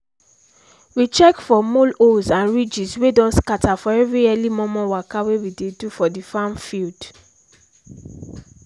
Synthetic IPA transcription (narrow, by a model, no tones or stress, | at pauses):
wit͡ʃɛkfɔmolosãnɹid͡ʒiswedɔ̃nskatʰafɔɛvɹiɛlimɔ̃mɔ̃wakawewidedufɔdifãnfild̥